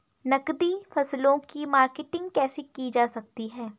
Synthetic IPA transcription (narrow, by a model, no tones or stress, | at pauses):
nɐkd̪ifɐslõkimaːɾkeːʈɪ̃ŋɡkɛːsikid͡ʒaːsɐk̚t̪iɦɛː